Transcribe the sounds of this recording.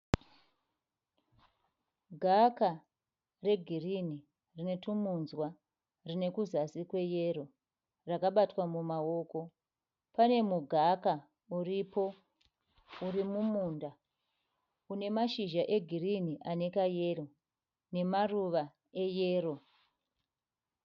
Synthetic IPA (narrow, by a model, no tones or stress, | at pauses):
ɡʱaka | re̞ɡʱirini | rine̞tumunzwa | rine̞kuzasikwe̞je̞ɾo̞ | rakaɓatwamumao̞ko̞ | pane̞muɡʱaka | uripo̞ | urimumuːnda | une̞maʃiʒaʔe̞ɡʱiriniʔane̞kaje̞ro̞ | ne̞maruʋa | e̞jeːɾo̞